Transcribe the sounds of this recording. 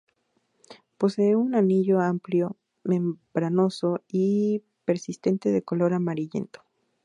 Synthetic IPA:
po̞se̞eunaniʝo̞ampljo̞ | mẽ̞mbɾano̞so̞i | pe̞ɾsist̪e̞nt̪e̞ðe̞ko̞lo̞ɾamaɾiʝe̞̰nt̪o̥

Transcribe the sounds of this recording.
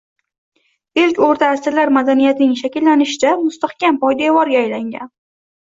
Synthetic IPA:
elkʲoɾt̪ʰaːsɪlaɾmad̪anijat̪ɪnɪŋʃakʲɪlːanɪʃɪd̪amʊst̪aχkʲampɒjd̪avɒɾɡʲaːjlaŋɡʲa̰n

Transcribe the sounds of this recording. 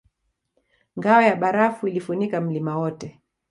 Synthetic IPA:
ŋɡaɔjaɓaɾafuilifunikam̩limawɔtɛ

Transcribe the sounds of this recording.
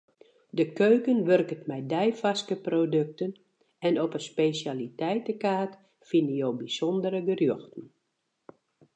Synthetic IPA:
dəkøɥkənʋørkətmɛjdɛjfaskəprodøk̚tən | ɛnɔpəspesalitɛjtəkaːt | finəjowbisɔndəɾəɡərjoxtn̩

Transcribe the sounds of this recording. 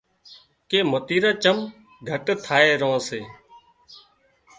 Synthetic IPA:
keːmət̪iːɾãːt͡ʃəm | ɡʱəʈt̪ʰaːeːɾõːseː

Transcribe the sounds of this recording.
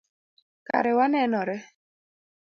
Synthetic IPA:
ka̰ɾɪwanɛnɔɾɛ

